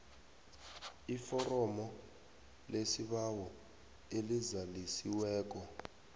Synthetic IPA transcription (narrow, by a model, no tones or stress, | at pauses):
ifɔrɔmɔ | lesiɓawɔ | elizalisiwɛːk̬ɔ